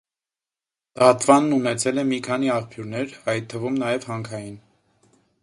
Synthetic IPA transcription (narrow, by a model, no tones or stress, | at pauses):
d̪ɑt̪vɑnːunɛt͡sʰɛlɛmikʰɑniɑχpʰjuɾnɛɾɑjt̪ʰːəvumnɑjɛvhɑŋkʰɑjin